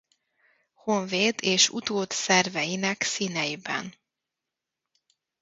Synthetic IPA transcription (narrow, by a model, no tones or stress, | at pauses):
ho̞ɱveːd̪eːʃṵt̪oːt̪sɛrvɛjinɛksiːnɛjibɛ̰n